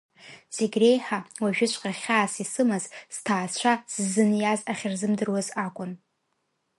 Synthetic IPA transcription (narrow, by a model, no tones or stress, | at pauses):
z̥eɡʲre̞jħawaʒᶣɪt͡ʃʷʼqʼarχʲaːsisɨmazz̥tʰaːt͡ʃʷʰasɨzɨnjazaχʲɪrzɨmdɨrwazakʷʼʊn